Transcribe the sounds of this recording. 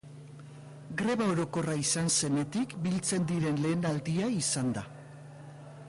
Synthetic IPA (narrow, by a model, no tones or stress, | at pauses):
ɡɾe̞βaoɾo̞ko̞raisanse̞ne̞t̪ikbilt͡se̞nd̪iɾe̞nle̞ːnald̪iaisand̪a